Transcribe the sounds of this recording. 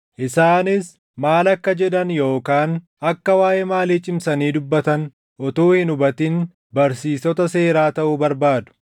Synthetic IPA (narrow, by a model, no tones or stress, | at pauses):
ʔɪsaːnɪs | maːlɐkːɐd͡ʒɛᶑ̪ɐnjo̞ːkaːn | ɐkːɐwaːʔɛmaːleːt͡ʃʼɪmsɐniːd̪ʊbːɐt̪ɐn | ʔɔt̪uːhɪnʊbɐt̪ɪn | bɐɾsiːsɔt̪ɐse̞ːɾaːt̪ɐʔʊbɐɾbaːd̪ʊ̥